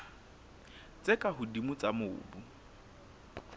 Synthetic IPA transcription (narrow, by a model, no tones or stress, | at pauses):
t͡sʼekʼaɦʊdimʊt͡sʼamʊ̰ːbu